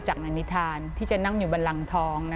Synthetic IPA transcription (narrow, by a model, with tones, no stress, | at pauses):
t͡ɕa˨˩k̚naː˧ni˦˥t̪ʰaː˧nt̪ʰiː˥˩t͡ɕa˨˩na˥˩ŋjuː˨˩ba˧nla˧ŋt̪ʰɔː˦˥ŋna˦